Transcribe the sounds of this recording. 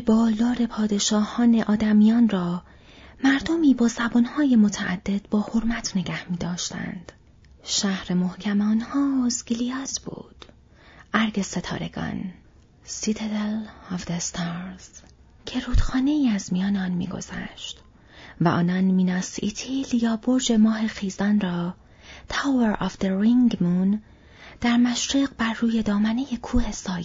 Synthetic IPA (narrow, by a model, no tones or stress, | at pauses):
bɒːld̪ɒːɾe̞pʰɒːd̪e̞ʃɒːhɒːne̞ʔɒːd̪æmijɒːnrɒː | mæɾd̪omiːbɒːzæbɒnhɒːjemo̞t̪ʰæʔæ̰d̪̥ːe̞d̪̥bɒːho̞ɾmæt̪ʰne̞ɡæhmiːd̪ɒːʃt̪æ̰nd̪̥ | ʃæhɾemo̞hcʰæmɒːnhɒːzɡilijɒːzb̥ṵːd̪̥ | ʔæɾɡe̞se̞t̪ʰɒ̰ːɾeɡ̥ɒ̰ːn | sit̪ʰed̪elɒvd̪est̪ʰɒːɾz̥ | cʰe̞ɾuːd̪̥xɒːne̞iːæzmijɒːneɒːnmḭːɡo̞̰z̥æ̰ʃt̪ | væʔɒ̰ːnɒːnmiːnɒːsit̪ʰiːljɒːboɾd͡ʒe̞mɒːɦexiːzɒnrɒː | t̪ʰæveɾɒfd̪eɾiŋɡmun | d̪̥æɾmæʃɾiːqbæɾːuːje̞d̪ɒːmæne̞jekʰuːhe̞sɒːj